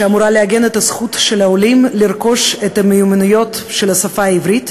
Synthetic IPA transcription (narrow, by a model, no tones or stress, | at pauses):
ʃeamuɾaleaɡe̞net̪ɐsχut̪ʃelaolimliɾko̞ʃet̪ɐmejumɪnujo̞t̪ʃelasafaivɾit̪